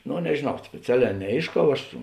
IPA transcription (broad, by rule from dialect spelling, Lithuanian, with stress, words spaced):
ˈnoː nʲɛʒʲeːˈnɐʊ sʲpʲeːˈt͡sʲæːˌlʲɛː nʲɛˈeːɪʃˌkɐʊ ˈɐʃ